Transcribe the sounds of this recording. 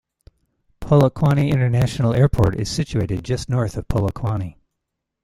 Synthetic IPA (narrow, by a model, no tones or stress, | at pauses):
pʰolˠəkʰw̥ɑñiɪ̃ñə˞næʃn̩l̩ˠɛɹpʰɔ̰ɹɾɪ̰z̥sɪt͡ʃʉeɪɾɨd̚d͡ʒʌstⁿnɔɹθʌv̥pʰolˠəkʰw̥ɑni